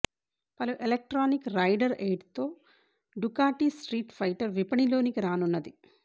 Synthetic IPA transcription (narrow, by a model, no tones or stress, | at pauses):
pɐluʔelek̚ʈɾaːnikɾɐjɖɐɾeːɖt̪o̞ː | ɖukaːʈiːsʈɾiːʈfʰɐjʈɐɾʋipɐɳilo̞ːnikɾaːnunːɐd̪i